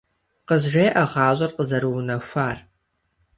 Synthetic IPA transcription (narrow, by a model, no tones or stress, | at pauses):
qəzʒeːʔɐʁɑːɕʼɐrqəzɐɾɨwnɐfʷaːr